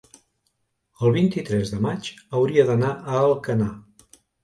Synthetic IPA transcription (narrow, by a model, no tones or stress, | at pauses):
əlˠβint̪it̪ɾɛzðəmat͡ʃəwɾiəðənaʔəːlˠkəna